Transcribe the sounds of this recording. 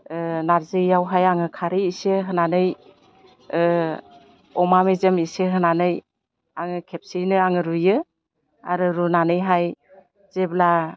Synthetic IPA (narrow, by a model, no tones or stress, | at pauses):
ɯnaɾzɯjawɦajaŋɯkʰaɾiiseɦɯnanɯj | ɔmamezemiseɦɯnanɯj | aŋɯkʰep̚sinɯaŋɯɾujɯ | a̰ɾɯɾunanɯjɦaj | z̥ebla